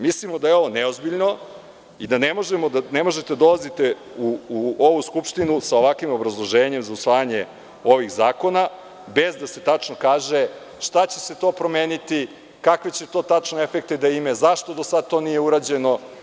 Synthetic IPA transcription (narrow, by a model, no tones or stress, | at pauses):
mislimo̞d̪ajeo̞ʋo̞neozbiʎno | id̪anemo̞ʒemo̞d̪anemo̞ʒet̪ead̪o̞lazit̪e | uːoʋuskupʃt̪inusao̞ʋakʋimo̞bɾazlˠo̞ʒeːɲe̞mzausʋaːjaɲe̞ | o̞ʋixzaːko̞na | be̞zd̪ase̞t̪at͡ʃno̞kaːʒe̞ | ʃt̪at͡ɕe̞se̞t̪o̞ːpɾo̞meːnit̪i | kakʋet͡ɕet̪o̞ːt̪at͡ʃnoefek̚t̪ed̪aimezaʃt̪od̪osad̪̚t̪o̞ːnije̞uɾad͡ʑe̞no̞